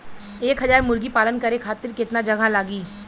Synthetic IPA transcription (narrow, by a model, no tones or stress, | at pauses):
eːkɦɐzaːɾmʊɾɡipaːlənkɐɾekʰaːt̪ɪɾkɪt̪nad͡ʒɐɡʱalaːɡiː